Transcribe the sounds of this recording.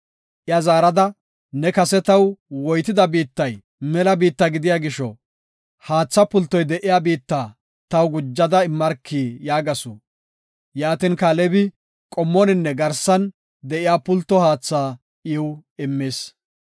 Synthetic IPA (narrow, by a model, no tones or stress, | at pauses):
ʔɪjɐzaːɾɐd̪ɐ | nɛkɐsɛt̪ɐwwɔjt̪ɪd̪ɐbiːt̪ːɐj | mɛlɐbiːt̪ːɐɡɪd̪ɪjaːɡɪʃɔ | haːt͡sːɐpʊlt̪ːɔjd̪ɛʔɪjaːbiːt̪ːaː | t̪ɐwɡʊd͡ʒːɐd̪ɐɪmːɐɾkʰːiːjaːɡɐsʊː | jaːt̪ɪnkalɛbɪ | kʼɔmːɔnɪnːɛɡɐɾsɐn | d̪ɛʔɪjaːpʊlt̪ːɔhaːt͡sːaː | ʔɪwɪmːeːs